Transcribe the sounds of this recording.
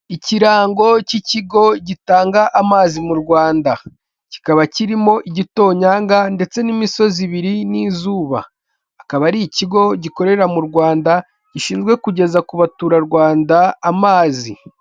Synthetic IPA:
iciɾaːŋɡo̞ciciɡo̞ɟitaːŋɡaʔamaːzimuɾɡwaːnda | ci̥kaβaciɾimo̞ʔiɟito̞ːɲaːŋɡande̞t͡se̞nimiso̞ziβiɾiniːzuːβa̰ː | kaβaɾiciɡo̞ɟiko̞ɾe̞ɾamuɾɡwaːnda | ɟ̥iʃiːnzɡwe̞kuɟe̞zakuβatuːɾaɾɡwaːndaːmaːzi

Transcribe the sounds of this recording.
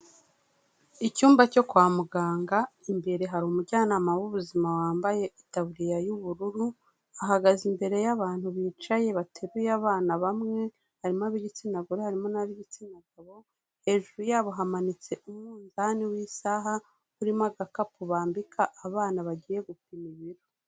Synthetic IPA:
icuːmbaco̞kwaːmuɡaːŋɡaimbe̞ɾe̞ɦaɾumuɟaːnaːmawuβuzimawaːmbaje̞ʔitaβuɾijajuβuɾuɾu | aɦaɡazimbe̞ɾe̞jaβaːn̥huβiːt͡ʃaje̞βatʰeɾujaβaːnaβamŋe̞ | haɾimoaβiɟit͡sinaɡuɾuhaɾimo̞naβiɟit͡sinaɡaβo̞ | he̞ːʒuɾujaːβo̞ɦamanit͡se̞ʔumŋuːnzaniwiːsaɦa | uɾimaɡakapuβaːmbikʰaʔːβaːnaβaɟiːje̞ɡupimiβiɾo

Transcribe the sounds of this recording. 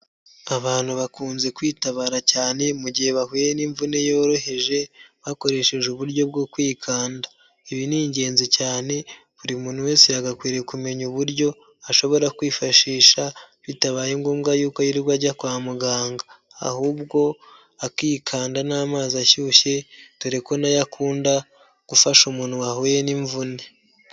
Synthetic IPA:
aβaːnhuβakuːnze̞kwiːtaβaːɾacaːne̞muɟihe̞βahujeniɱvune̞joːɾo̞he̞ʒe̞βako̞ɾe̞ʃe̞ʒeuβuɾɟo̞b̚ɡo̞kwiːkʰaːnda | iβiniːɲɟe̞ːnzicaːne̞ | βuɾimuːn̥huwe̞ːseaɡakwiːɾe̞kume̞ɲuβuɾɟo̞ | aʃo̞βo̞ɾakwiːfaʃiːʃaβitaβaːjeŋɡuːmɡajuːko̞jiɾiɡwaɾɟakwaːmuɡaːŋɡa̰ː | huːbɡo̞ | akiːkʰaːndanaːmaːziaçuːçe̞tuɾeko̞najakʰuːnda | ɡ̥ufaʃumuːn̥huwahojeniɱvune

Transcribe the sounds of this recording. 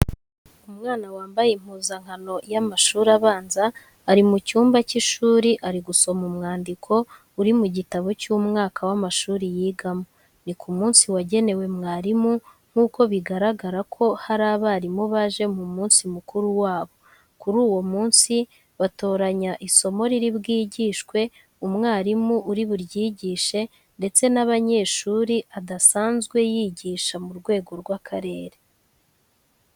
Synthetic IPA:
umŋaːnawaːmbajem̥huːzaŋ̥hano̞jamaʃuːɾaβaːnzaː | ɾimucuːmbaciʃuːɾiʔaɾiɡuso̞mumŋaːndikʰo̞ | uɾimuɟitaβo̞cumŋaːkawamaʃuːɾijiːɡamo | nikʰumuːnsiwaɟe̞ne̞we̞mŋaːɾimu | ŋ̥huːko̞βiɡaɾaɡaɾakʰo̞haɾaːβaːɾimoβaʒe̞mumuːnsimukuɾuwaːβo̞ | kuɾuːwo̞muːnsi | βato̞ːɾaɲaʔiso̞mo̞ɾiɾibɡiːɟiːʃkwe̞ | umŋaːɾimuuɾiβuɾjiːɟiːʃe̞ | nde̞t͡se̞naβaɲe̞ːʃuɾiʔadasaːnzɡwe̞jiːɟiːʃamuɾɡwe̞ːɡo̞ɾɡwakʰaɾe̞ːɾe

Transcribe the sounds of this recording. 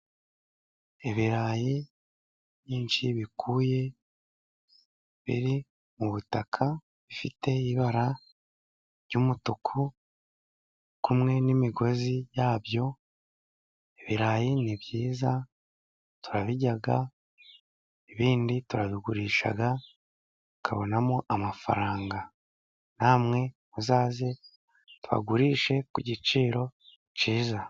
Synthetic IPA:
eβiɾaːje | βjiːnʃiβikʰuːje̞ | βḭɾi | muβutakʰa | βifite̞iβaɾa | ɾɟumutokʰu | kumŋe̞nimiɡo̞zijaːbjo̞ | eβiɾaːjiniβjiːza | tuɾaβiɟaɡa | eβiːndituɾaβiɡuɾiːʃa̰ɡa | tu̥kʰa̰βo̞namoʔamafa̰ɾaːŋɡa | naːmŋe̞ | uzaːze | tuβa̰ɡuɾiːʃe̞kuɟit͡ʃiːɾo̞ | ciːza

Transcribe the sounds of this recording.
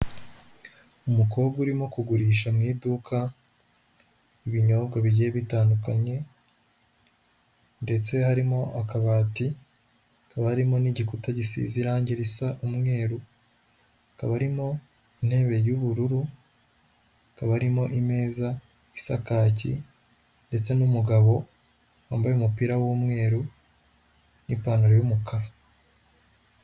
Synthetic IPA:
umuko̞ːbɡuɾimo̞kuɡuɾiːʃamŋiːdukʰa | iβiɲo̞ːbɡaβiɟijeβitaːndukaɲe̞ | nde̞t͡se̞haɾimo̞ʔakaβaːti | kaβaɾimo̞niɟikutaɟisḭziɾaːɲɟeɾisaʔumŋe̞ːɾu | kaβaɾimo̞ | in̥he̞ːβe̞juβuɾuɾu | kaβaɾimo̞ʔime̞ːza | isakaːcḭ | nde̞t͡se̞numuɡaβo̞ | waːmbajeumupiːɾawumŋe̞ːɾu | nipaːnuɾojumukʰaɾa

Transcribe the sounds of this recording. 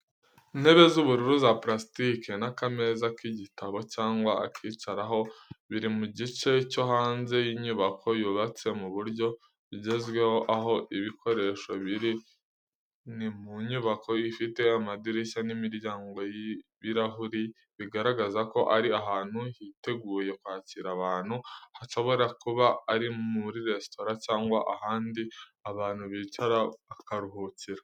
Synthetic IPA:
in̥he̞βe̞zuβuɾuɾuzapɾastikʰe̞nakame̞zakiɟitʰaβo̞caːŋɡwaakʰiːt͡ʃaɾaɦo̞βiɾimuɟit͡ʃe̞co̞ɦaːnze̞jiɲuβakʰo̞juːβat͡se̞muβuɾɟo̞ | βiɟe̞zɡwe̞ho̞ʔaɦo̞ʔiβikʰo̞ɾe̞ʃo̞βiɾi | nimuɲuβakʰo̞ifite̞amadiɾeʃanimiɾjaːŋɡo̞jiβiɾaɦuɾi | βiɡaɾaɡazako̞ʔaɾiaɦaːn̥huhite̞ɡuːje̞kwaːciɾaβaːn̥huhaʃo̞βo̞ɾakuβaːɾimuɾiɾe̞stʰo̞ɾacaːŋɡwaʔahaːndiaβaːn̥huβit͡ʃaɾaakaɾuɦut͡siɾa

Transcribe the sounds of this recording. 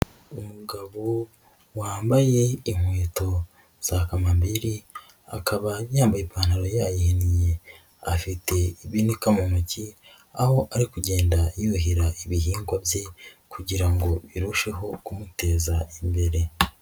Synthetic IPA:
umuɡaβo | waːmbaje̞iŋ̥weːto̞ | z̥akamambiɾi | a̰kʰaβajaːmbajepaːn̥haɾojaːjihinije̞ | afite̞iβinikamumuci | aho̞ʔaɾikuɟe̞ːndajoɦiɾaʔiβiɦiːŋɡwabje̞kuɟiɾaŋɡo̞βiɾuʃe̞ɦo̞kumute̞ːzaimbe̞ɾe̞

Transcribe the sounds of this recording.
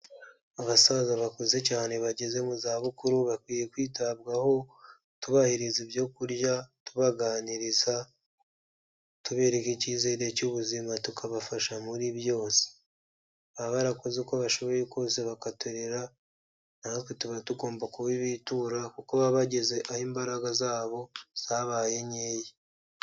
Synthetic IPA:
aβasazaβakoze̞caːne̞βaɟe̞ze̞muzaːβukuɾuβakwiːje̞kwiːtaβɡaho̞ | tuβahiɾizibjo̞kuɾɟatuβaɡaːniɾiza | tuβe̞ɾekiciːze̞ːɾe̞cuβuzimatukʰaβafaʃamuɾiβjo̞ːse̥ | βaβaɾakozekoβaʃo̞βo̞jekoːseβakatuɾeɾa | nahoketuβatuɡo̞ːmbakuβiβituɾakukoβaβaɟe̞ze̞ʔahiːmbaɾaɡazaːβo̞z̥aβaːje̞ɲeːje

